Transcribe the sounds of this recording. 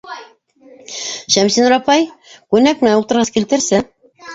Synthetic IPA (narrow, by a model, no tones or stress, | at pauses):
ʃæmsinɾɑpɑjkʉnæk̚mɘ̆næulˠt̪ɤ̆ɾʁɑskilt̪ɘ̆ɾsɘ